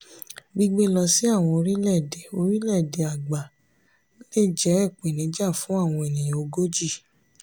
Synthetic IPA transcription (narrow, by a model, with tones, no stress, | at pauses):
ɡ͡bi˧ɡ͡be˦lɔ˧si˦a˦˨w̃ɔ̃˧o˧ɾi˦lɛ˦˨de˨o˧ɾi˦lɛ˦˨de˨a˨ɡ͡ba˨˦ | le˦˨d͡ʒɛ˨˦ɛ˦˨k͡pẽ˨nĩ˨˦d͡ʒa˦˨fũ˨˦a˦˨w̃ɔ̃˧e˨nĩ˨jã˨o˧ɡo˦d͡ʒi˦˨